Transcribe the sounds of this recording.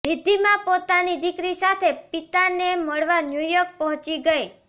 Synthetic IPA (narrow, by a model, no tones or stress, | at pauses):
ɾid̪ʱimãpot̪anid̪ɪkɾisat̪ʰepit̪aneməɭʋanjujək̚pɔɦɔ̃t͡ʃiɡəi